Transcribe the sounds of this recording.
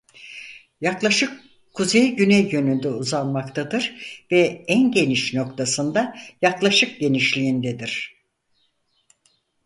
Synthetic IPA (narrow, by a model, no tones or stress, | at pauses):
jaklˠaʃɯkʰː | uzejɟynɛjjø̞nynd̪ɛuzanmakt̪ʰad̪ɯɾvɛænɟe̞niʃno̞kt̪ʰasɯnd̪ajaklˠaʃɯk̚ɟe̞niʃlʲiind̪ɛd̪iɾ̥